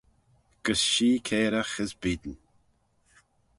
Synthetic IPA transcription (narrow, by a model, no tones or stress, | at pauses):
ɡ̥əsʃiːkʰeːɾəxɪzbiːd̪ən